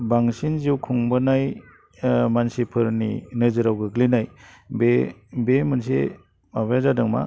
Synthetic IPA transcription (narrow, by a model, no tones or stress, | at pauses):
baŋsinziwkʰuŋbɯnaj | mansipʰɯɾnḭnɯzɯɾawɡɯɡlinaj | bebemɯns̬ḛ | mabajazadɯŋma̰